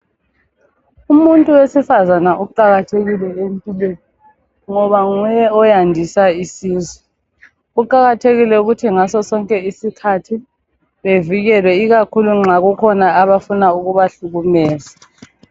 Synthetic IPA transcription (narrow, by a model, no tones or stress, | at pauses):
umuntʼuwesifazanaʔuǃaɣatʰeɣilɛempʼilweni | ŋɔβaŋɔjɛɔjandʱisaisiːzwɛ | ɣuǃaɣatʰeɣilɛuɣutʰiŋasɔsɔŋkʼɛisikʰatʰi | βeviɣɛlwɛiɣakʰuluŋ͡ǁaɣukʰɔnaːβafunauɣuβaɬuɣumɛːza